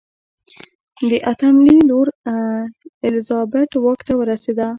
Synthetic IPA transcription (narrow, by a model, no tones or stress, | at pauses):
d̪əʔat̪amliloɾ | ɪlzɑbaʈwɑkt̪awəɾased̪a